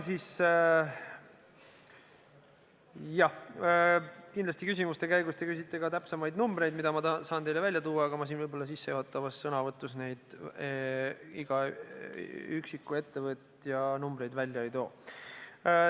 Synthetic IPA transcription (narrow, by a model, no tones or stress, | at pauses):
siːs | jɑ | kind̪lɑst̪ikysʲimust̪e̞kæjɡust̪e̞kys̬it̪ˑːe̞ɡɑt̪æpsɑmɑjd̪numbre̞jd̪mid̪̥ɑmɑt̪ɑsɑːnt̪e̞jlevælʲjɑt̪uːɑːɡ̥ɑmɑsinvɤjbo̞lːɑsisːejohot̪ːˑɑvɑsːɤnɑvɤt̪ːˑusne̞jd̪̥ | iɡ̥ɑ | yksikːˑue̞t̪ːevɤt̪jɑnumbɾe̞jd̪vælʲjɑejt̪o̞ː